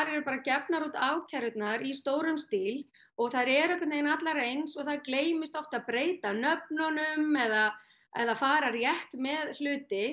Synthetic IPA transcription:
θaɾɛɾʏpaːɾacɛpnaɾut̪aːwcʰɛɾʏt̪naɾist̪oːwɾʏmst̪iːl | ɔɣθaɾɛɾœhkwat̪nejnat̪laɾejnsɔɣθaðkleːjmɪst̪ɔft̪aðpɾeːjt̪anœp̚nɔnʏmɛða | ɛ̰ðafaːɾaɾjɛht̪mɛðl̥ʏːt̪ɪ

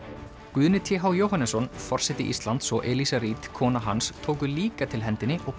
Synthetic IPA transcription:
kʏðnɪt̪ʰɛɦawjoːwɦanɛsɔnfɔr̥sɛt̪ːɪʔḭst̪lant̪sɔʔɛlisaɾiːt̪kʰɔːnaɦanst̪ʰoːwk̬ʏliːkat̪ʰɪlɦɛnt̪ɪnːɪʔɔɣ

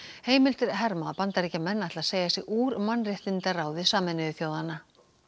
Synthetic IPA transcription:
heːjmɪlt̪ɪɾ̥ɦɛɾmaðapant̪aɾicamɛnːat̪laðseːjɣasɛɣuːɾmanːrɪht̪ɪnt̪araːwðɪsaːmɪnɪðɪθjoːwðanːa

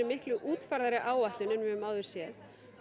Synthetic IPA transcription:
ɛmːɪhklʏʔuːt̪faɾðaɾɪʔaːwaht̪lʏnɛnːvɪðʏmaːwðʏɾ̥sjɛθ

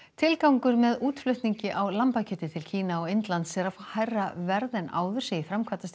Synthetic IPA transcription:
t̪ʰɪlkawŋkʏɾmɛðuːt̪flʏht̪niɲcɪʔawlampacʰɛt̪ɪt̪ʰɪlcʰiːnaɔɣɪnt̪lant̪sɛɾafahajrːavɛɾðɛna̰ːwðʏɾ̥sɪɣifɾamkʰvat̪ast̪

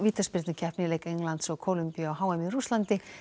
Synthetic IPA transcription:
viːt̪aspɪɾt̪nɪcʰɛhpnɪlejkeŋlant̪sɔɣkʰolʏmpiaɔɦaːwɛmirust̪lant̪ɪ

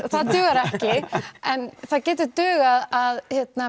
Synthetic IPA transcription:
θaðt̪ʏːɣaɾɛhcɪɛnθaðcɛːt̪̬ʏɾt̪ʏːɣaðaðhjɛt̪̚na

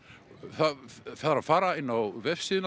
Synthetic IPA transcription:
θaθaðaɾafaːɾaɪnːawvɛfsɪːðʏn

